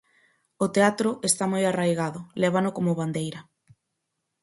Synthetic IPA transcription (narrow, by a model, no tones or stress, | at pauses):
ʊt̪eat̪ɾʊest̪amojarajɣaðʊlɛβ̞anʊkomʊβand̪ejɾɐ